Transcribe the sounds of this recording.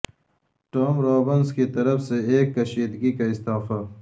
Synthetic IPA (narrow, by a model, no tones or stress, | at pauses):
ʈoːmɾoːbɐnskit̪ɐɾɐfseeːkːɐɕiːd̪ɡikaɪst̪aːfa